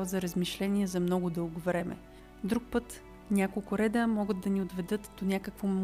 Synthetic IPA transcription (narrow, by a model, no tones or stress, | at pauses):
zɐɾəzmiʃlɛniɛzɐmnɔɡʊd̪ɤlˠɡʊvɾɛmɛ̰ | d̪ɾuk̚pɤt̪ | nʲakolˠkʊɾɛd̪əmɔɡəd̪ːɐniod̪vɛd̪ɤt̪d̪onʲakəkvo